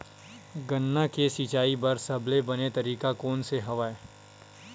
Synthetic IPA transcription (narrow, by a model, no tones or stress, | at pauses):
ɡɐnːakesit͡ʃaːibɐɾsɐblebɐnet̪ɐɾiːkakɔːnseɦɐʋaːe